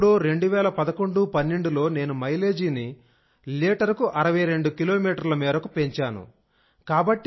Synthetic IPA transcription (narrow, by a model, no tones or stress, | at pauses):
ɽoːɾe̞ɳɖuʋɛːlɐpɐd̪ɐko̞ɳɖupɐnːeɳɖulo̞ːne̞ːnumɐjle̞ːd͡ʒiːni | leːʈɐɾkuʔɐɾɐʋɐjɾe̞ɳɖukilo̞ːmiːʈɐɾlɐmɛːɾɐkupe̞ɲt͡ʃaːnṵ | kaːbɐʈːi